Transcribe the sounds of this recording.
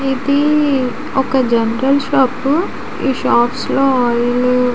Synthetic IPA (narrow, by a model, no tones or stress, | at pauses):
id̪i | ɔkɐd͡ʒɐnɾɐlʃaːp | ḭːʃaːpsloːɦɔːjl